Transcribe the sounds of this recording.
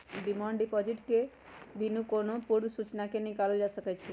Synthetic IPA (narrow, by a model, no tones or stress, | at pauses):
ɖimãɳɖipɔd͡ʒiʈke | binukonopuɾsut͡ʃnakenikalod͡ʒasəkɛt͡ʃʰi